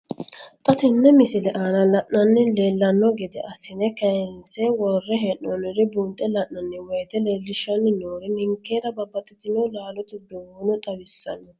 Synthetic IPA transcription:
t̪ʼɐt̪ɪnːɛmɪsɪlɛʔaːnɐlɐʔnɐnːɛleːlːɐnːɔɡɪd̪ɛʔɐsɪnɛkɐnsɛwɔrːɛɦɛʔɔnɪɾɪbuːnt̪ʼːɛlɐʔnɐnːɛwɛjt̪ɛleːlːɪʃɐnːɪnoːɾɪnɪŋkːeːɾɐbɐbɐt̪ʼːɪt̪ɪnɔwlaːlɔt̪ɪd̪owʊnʊt̪ʼɐwɪsːɐ̰nːɛ

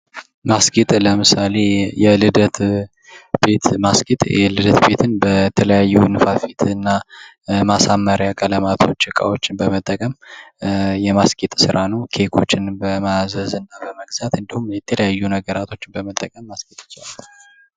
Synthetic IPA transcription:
maskʼit̪ʼləmɨsale̞jɛlɨd̪ət̪ | be̞t̪maskʼit̪ʼɛlɨd̪ət̪be̞t̪ʰɨnbət̪ʰələjajːunɨfafit̪ʰɨnːa | masamːəɾjakʼələmat̪ʰo̞t͡ʃːɨkʼa̰wo̞t͡ʃːɪnbəmət̪ʼːəkʼəm | jɛmaskʼit̪ʼsɨɾʔanəwkʰe̞kʰo̞t͡ʃːɪnbəmazəzɨnːabəməɡzat̪ɨnd̪ihumjɛt̪ʰələjajːunəɡəɾat̪ʰo̞t͡ʃːɪnbəmət̪ʼːəkʼəmːaskʼit̪ʼɨt͡ʃːwalː

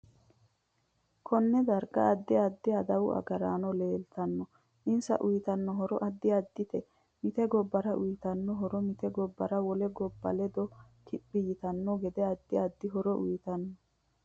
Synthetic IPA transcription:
kʰɔnːɛd̪ɐɾɡɐ̰ɐd̪ːɪɐd̪ːɪɐd̪ɐwʊ̰ʔɐ̰ɡɐɾaːnɔleːlt̪ɐnːɔ | ʔɪnsɐ̰ʔʊjɪt̪ɐnːɔɦɔɾɔʔɐd̪ːɪɐd̪ːɪt̪ɛ | mɪt̪ɛɡɔbːɐɾɐʔʊjɪt̪ɐnːɔɦɔɾɔmɪt̪ɛɡɔbːɐɾɐwɔlɛɡɔbːɐ̰lɛd̪ɔ | k̪ʰɪbːɪjɪt̪ɐnːɔɡɛd̪ɛɐd̪ːɪɐd̪ːɪɦɔɾɔʔʊ̰jɪt̪ɐnːɔ

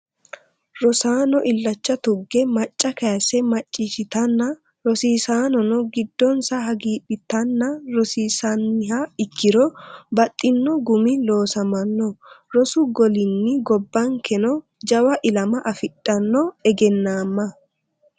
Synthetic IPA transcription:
ɾɔsaːnɔʔɪlːɐt͡ʃːɐt̪ʊɡːɛmɐt͡ʃʼːɐkɐjɐsɛmɐt͡ʃʼːiʃɪt̪ɐnːɐ | ɾɔsiːsaːnɔnɔɡɪd̪ːɔnsɐɦɐɡiːbɪt̪ːɐnːɐɾɔsiːsɐnːɪhaɪkːɪɾɔbɐt̪ʼːɪnːɔɡʊmɪlo̞ːsɐmɐnːɔɾɔsʊɡɔlɪnːɪɡɔbːɐŋkɛnɔ | d͡ʒɐwɐʔɪlɐmɐʔɐfɪɗʼːɐnːɔɛɡɛnːaːmːɐ

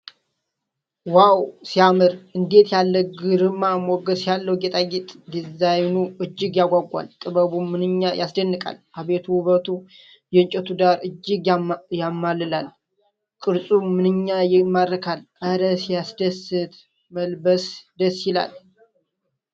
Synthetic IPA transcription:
wawsijamɨɾʔɨnd̪e̞t̪jalːəɡɨɾɨmːamɔɡəsjalːəwɡet̪ʼajit̪ʼd̪izajnuɨd͡ʒːɪɡjaɡʷaɡʷa̰lt̪ʼɨbəβumːɨnɨɲːajʔasd̪ənːɨkʼa̰lʔaβet̪ʰuβət̪ʰu | jɛɨnt͡ʃʼɛt̪ʰud̪aɾɨd͡ʒːɪɡjamːalːɨlal | kʼɨɾsʼumɨnɨɲːajɪmːaɾəkʰal | aɾəsjasd̪əsɨt̪ | məlbəsd̪əsjɪla̰l

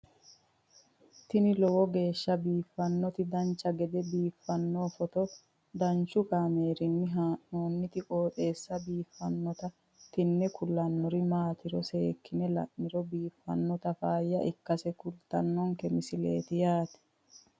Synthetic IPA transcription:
t̪ɪnɪlɔwɔɡe̞ːʃːɐbiːfːɐnːɔt̪ɪd̪ɐnt͡ʃːɐɡɛd̪ɛbiːfːɐnːoːfɔt̪ɔ | d̪ɐnt͡ʃːʊkaːme̞ːɾɪnːɪɦaːʔoːnːɪt̪ɪkʼoːt̪ʼe̞ːsːɐbiːfːɐnːɔt̪ɐ | t̪ɪnːɛkʊlːɐnːɔɾɪmaːt̪ɪɾɔse̞ːkːɪnɛlɐ̰ʔːɪɾɔbiːfːɐnːɔt̪ɐfaːjːɐʔɪkːɐsɛkʊlt̪ɐnːɔŋkɛmɪsɪlḛːt̪ɪjaːt̪ɛ̥

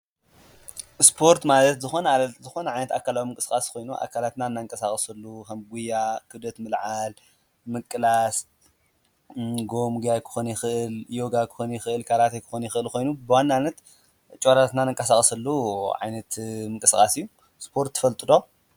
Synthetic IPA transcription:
spʰo̞ɾt̪malɐt̪zɨxo̞nɐalɐt̪zɨxo̞nɐʕajnɐt̪akʰalawimɨŋkʼɨskʼaskʰo̞jnuʔa̰kʰalat̪naɨnːaŋkʼɐsaχʼsɨlːukʰɐmɡujːakʰɨd̪ɐt̪mɨlʕal | mɨkʼɨlas | ɡo̞mɡajkʰɨ̥xonjɪxɨʔɨljo̞ɡakʰɨ̥xonjɪxɨʔɨlkʰaɾat̪ʰejkʰɨ̥xonjɪxɨʔɨlkʰo̞jnubɨwanːanːɐt̪ | t͡ʃʼoɾat̪nanɨŋkʼɐsaχʼsɨlːuʕa̰jnɐt̪mɨŋkʼɨskʼa̰sijːu | spʰo̞ɾt̪ʰːɨfɐlt̪ʼɨd̪o

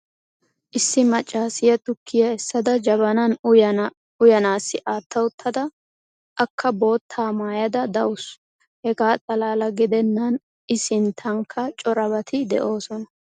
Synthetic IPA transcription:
ʔɪsːɪmɐt͡ʃʼːaːsɪjɐt̪ʊkʰːɪjɐɛsːɐd̪ɐd͡ʒɐbɐnɐnʊj | ʊjɐnaːsːɪʔaːt̪ʰːɐwʊt̪ʰːɐd̪ɐ | ʔɐkʰːɐbo̞ːt̪ʰːaːmaːjɐd̪ɐd̪ɐwʊs | hɛɡaːt̪ʼɐlaːlɐɡɪd̪ɛnːɐn | ɪsɪnt̪ʰɐŋkʰːɐt͡ʃʼɔɾɐbɐt̪ʰɪd̪ɛ̰ʔo̞ːsɔnɐ

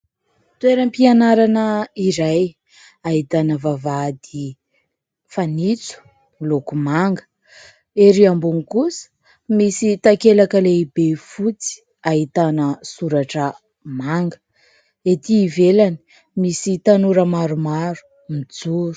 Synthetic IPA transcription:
t̪weɾəmpianaɾanəiɾaj | aɦit̪anəvavad̪i | fanit͡su̥ | milokumaŋɡə̥ | eɾiambuŋikusə̥ | misit̪akelakəleibefut͡si̥ | aɦit̪anəsuɾaʈ͡ʂə | maŋɡə̥ | et̪iːvelani̥ | misit̪anuɾəmaɾumaɾu̥ | mid͡zuɾu̥

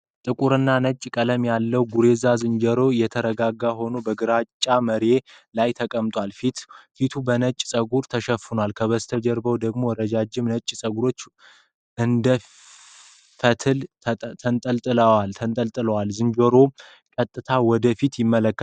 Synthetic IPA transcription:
t̪ʼɨkʼuɾɨnːanət͡ʃʼːkʼələmjalːəwɡuɾe̞zazɨnd͡ʒəɾo̞jɛt̪ʰəɾəɡaɡːaɦo̞nobəɡɨɾat͡ʃʼːaməɾe̞ | lajt̪ʰəkʼəmt̪ʼwʷalfit̪fit̪ʰubənət͡ʃʼsʼəɡuɾt̪ʰəʃəfɨnwalkʰəβəst̪ʰəd͡ʒɛɾbəwd̪əɡmo̞ɾəd͡ʒad͡ʒːɪmnət͡ʃʼːsʼəɡuɾo̞t͡ʃː | ʔɨnd̪ə | fət̪ʰɨl | t̪ʰənt̪ʼəlt̪ʼɨləwalt̪ʰənt̪ʼəlt̪ʼɨləwalzɨnd͡ʒoɾo̞ | kʼət̪ʼːɨt̪ʰawɔd̪əfit̪jɪmːələkːə

